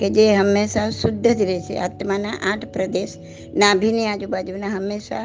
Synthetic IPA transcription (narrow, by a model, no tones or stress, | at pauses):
ked͡ʒeɦɐmːeːsasʊd̪ʱːəd͡ʒ̪iɾet͡ʃʰḛʔa̰ːt̪manaʔaːʈʰpɾɐd̪eːʃ | naːbʱiniaːd͡ʒubaːd͡ʒunaɦɐmːeːsa